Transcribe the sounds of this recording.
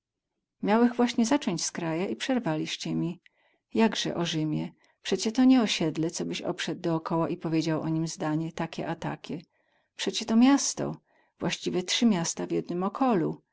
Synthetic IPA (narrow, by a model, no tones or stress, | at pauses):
mʲjawɛxvwaɕɲɛzat͡ʂɔɲt͡ɕskɾajaʔipʂɛɾvalʲiʂt͡ɕɛmʲi | jaɡʐɛ̰ʔɔʐɘmʲjɛ | pʂɛt͡ɕɛt̪ɔɲɛɔɕɛd̪lɛt̪sɔbɘɕɔ̰pʂɛd̪̚ːɔːkʰɔwaʔipɔvʲjed͡ʑawʔɔɲimzd̪aɲɛt̪akʲɛ̰ʔat̪a̰kʲʰɛ | pʂɛt͡ɕɛt̪ɔmʲjast̪ɔ̰ | vwaɕt͡ɕivʲɛt̪ʂɘmʲjast̪avjɛd̪nɘmɔkʰɔlu